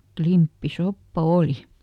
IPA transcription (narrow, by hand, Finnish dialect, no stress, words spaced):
klimpːisopːɑ oˑli